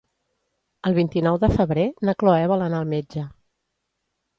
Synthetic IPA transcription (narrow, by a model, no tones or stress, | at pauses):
əlˠβint̪inɔwðəfəβɾenəkloɛβələnaəlˠmed͡ʒə